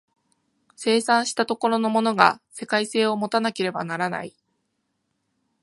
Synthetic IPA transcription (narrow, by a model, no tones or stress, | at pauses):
se̞ːsãɰ̃ɕi̥t̪at̪o̞ko̞ɾo̞no̞mo̞no̞ɡa̰se̞kaise̞ːo̞mo̞t̪anake̞ɾe̞ba̰naɾana̰i